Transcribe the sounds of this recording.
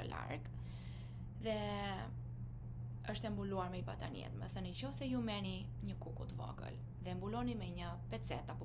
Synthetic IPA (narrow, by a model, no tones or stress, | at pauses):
la̰ɾɡ | ðɛ | əʃt̪ɛmbuluaɾmɛipa̰t̪aniɛ̰t̪mɛ̰θənicɔsɛjumɛni | ɲəkukut̪əvɔ̰kə̰l | ðɛmbulɔnimɛɲə | pɛt͡sɛt̪apɔ